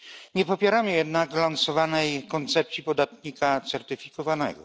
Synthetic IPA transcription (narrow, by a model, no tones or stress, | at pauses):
ɲɛpɔpʲjɛɾamɘjɛd̪naklansɔvanɛjkɔnt̪sɛp̚t̪ʲipɔd̪at̪ɲikat̪sɛɾt̪ɘfʲikɔvanɛ̰ɡɔ̰